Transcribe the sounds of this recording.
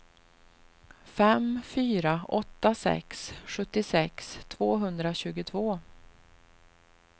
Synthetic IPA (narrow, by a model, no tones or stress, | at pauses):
fɛmfyːɾaʔɔt̪ːasɛ̰ksɧɵt̪ːɪsɛkst̪ʰvoːɦɵnd̪ɾaɕʉ̟ːɡʊt̪ʰvoː